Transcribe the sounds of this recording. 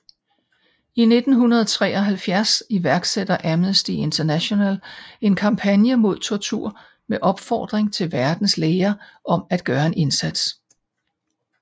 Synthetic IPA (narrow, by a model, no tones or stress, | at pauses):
ine̝d̥n̩ɦunɐð̞ˠt͡sʰʁɛ̰ːɒ̽ɦælfjæɐsiʋæɐɡ̥sed̥ɐʔæmnəsd̥ie̝nt͡sʰɐnæɕo̝næle̝nkʰɑ̈mpʰænjəmo̝ð̞̰ˠt͡sʰoɐt͡sʰuɐ̰ | meʔɒ̽b̥fɒ̰ːd̥ʁeŋt͡sʰe̝lʋæɐd̥n̩sleːɐʔɒ̽mæd̥̚ɡ̥ɶːɐe̝ne̝nsæd̥s